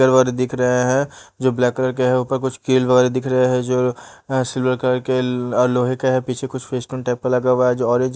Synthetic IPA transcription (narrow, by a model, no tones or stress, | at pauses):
əɾʋɐɣɛːɾed̪ɪkʰɾɐɦeɦɛ̃d͡ʒoːblɛːkːələɾk̬eɦɛʊpəɾkʊt͡ʃʰkiːlʋɐɣɛːɾed̪ɪkʰɾɐɦeɦɛ̃d͡ʒoː | sɪlʋəɾkləɾkeɔːɾloːɦekeɦɛpiːt͡ʃʰekʊt͡ʃʰfʰeːsʈoːnʈaːɪp̚kɐɾlɐɡaʋaɛd͡ʒoːɔːɾẽːɲd͡ʒ